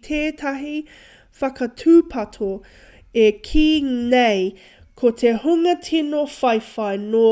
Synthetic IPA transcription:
t̪ʰeːtʰɐɦi | fɐkɐtʰʉːpʰɐtʰo | ekʰiːnej | kʰotʰehuŋɐtʰinofɐjfɐjnoː

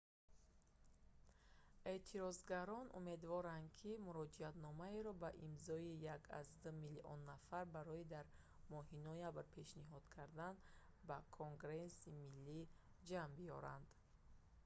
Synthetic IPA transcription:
e̞t̪ʰiɾɔzɡaɾɔnʔṵme̞d̪vɔɾand̪kʰimuɾɔd͡ʒiat̪nɔmaeɾɔbaʔimzɔijakʰa̰zd̪umiliʔɔ̰nːafaɾbaɾɔid̪aɾ | mɔɦinɔjabɾpʰe̞ʃniɦɔd̪̥kʰaɾd̪an | bakʰoŋɡɾesimilːi | d͡ʒambiɔɾa̰nd̪

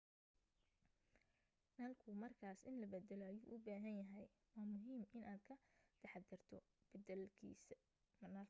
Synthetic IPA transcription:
naːlkʰʊmɐrkʰaːsɪnlɐbɛd̪ɛlɔɐjṵːʔʊbaːɦɐnjɐɦɛj | wɑːmʊɦiːmʔɪnʔaːd̪kʰɐd̪ʰɛħɑd̪ɪrt̪ʰɔ | b̥ɛd̪ɛlkʰḭːs | mɐnaː

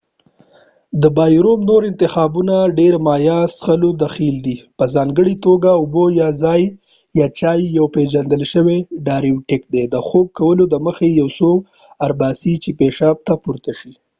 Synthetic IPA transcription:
d̪əbɑjɾomnoɾɪnt̪ɪxɑbunaɖeɾmɑjɑsxəlod̪axild̪ipəzɑŋɡəɽit̪oɡaʊbojɑzɑj | jɑt͡ʃɑjːawpeʒand̪əlʃəweɖɑɾiuʈɪk̚d̪ed̪əxob̚kawəlod̪əməxejawso | aɾbɑsit͡ʃepeʃɑb̚t̪apuɾt̪aʃi

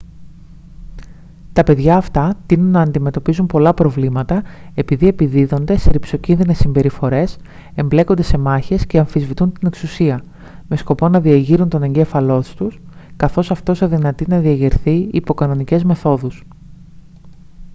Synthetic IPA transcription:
t̪ɐpe̞ðʝɐːft̪ɐt̪inunːɐːnd̪ime̞t̪o̞pizumpo̞lɐpɾo̞vlimɐt̪ɐe̞piðie̞piðiðo̞nd̪e̞seɾipso̞cinðine̞sːimbe̞ɾifo̞ɾe̞s | e̞mble̞kond̪e̞se̞mɐçe̞sce̞ɐɱfizvit̪unt̪ine̞ksusiɐ | me̞sko̞po̞nɐðiɐʝiɾunt̪o̞ne̞ɲɟe̞fɐlo̞st̪uskɐθo̞sɐft̪o̞sɐðinɐt̪inɐðiɐʝiɾθiːpo̞kɐno̞nice̞zme̞θo̞ðus

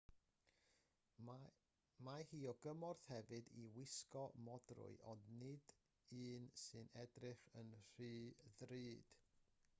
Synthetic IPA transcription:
mahiːɔɡəmɔrθhɛvɨdiwɪskɔmɔdrʊ̰ɨʔɔndnɪd̥ | ɨːnsɨnɛdrɪχənr̥iːðriːd̥

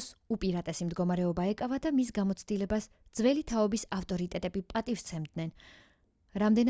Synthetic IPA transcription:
supʼiɾat̪ʼɛsimd̪ɡɔmaɾɛɔbaɛkʼavad̪amisɡamɔt̪sʰd̪ilɛbas | d̪z̥vɛlit̪ʰaɔbisaft̪ʼɔɾit̪ʼɛt̪ʼɛbipʼat̪ʼift̪sʰɛmd̪nɛn | ɾamd̪ɛn

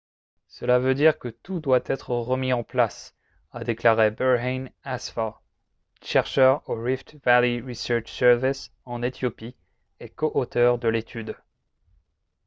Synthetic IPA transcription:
səlavød̪iʁkət̪ud̪wat̪ɛt̪χəʁəmiɑ̃plas | ad̪eklaʁebɛʁɛnasfa | ʃɛʁʃœʁoʁift̪valiʁisœʁt͡ʃsɛʁvis | ɑ̃net̪jopi | ekoʔot̪œʁd̪əlet̪ʰyd̪

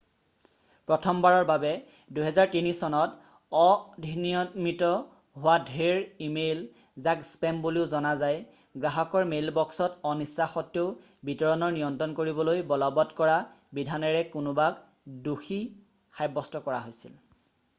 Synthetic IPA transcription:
pɹɔtʰɔmbaɹɔɹbabɛ | duɦɛzaɹtinisɔnɔt | ɔdʱiniɔmitɔ | ɦʊwadʱeɹimejl | zakspɛmbuliʊzɔnazaj | ɡɹaɦɔkɔɹmelbɔksɔtɔnisːaxɔtjoʊ | bitɔɹɔnɔɹnijɔntɹɔnkoɹibɔlojbɔlɔbɔtkɔɹa | bidʱanɛɹɛkunʊbak | duxi | xajbɔstɔkɔɹa̰ɦojsḭl

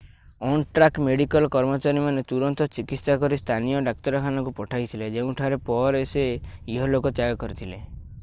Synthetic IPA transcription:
ɔnʈɾakmeɽikɔlkɔɾmɔt͡ʃaɾimanet̪uɾɔnt̪ɔt͡ʃikit̪sakɔɾist̪ʰanijɔɖak̚t̪ɔɾɔkʰanɔkupɔʈʰajt̪ʰiled͡ʒeũʈʰaɾepɔɾeseiɦɔlokɔt̪jaɡɔkɔɾit̪ʰile

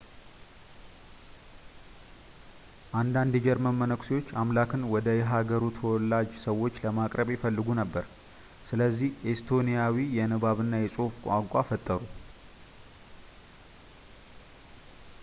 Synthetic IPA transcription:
ʔand̪and̪jɛd͡ʒɛɾmənmːənəkʷsewo̞t͡ʃːamlakɨnwɔd̪əjɛɦaɡəɾut̪ʰəwɔlːad͡ʒsəwːo̞t͡ʃːləmakʼɾəβjɛfəlːɨɡunəbːəɾ | sɨləzːihʔest̪ʰo̞nijawijɛnɨβaβɨnːajɛsʼufkʷʼaŋkʷʼafət̪ʼːəɾu

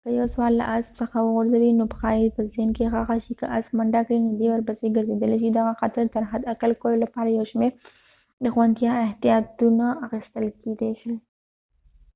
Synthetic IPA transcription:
kəjawswɑlːa̰ʔaspsəxawəɣʊɾzawinopəxɑjipəzenkeɣaxaʃikəʔasmaɳɖakinod̪ewaɾbaseɡəɾzed̪əleʃ̬id̪aɣaxat̪aɾd̪t̪aɾɦad̪akalkololapɑɾajawʃmeɾ | d̪əxwant̪jɑɪht̪ijɑt̪unaːxist̪əlked̪eʃi

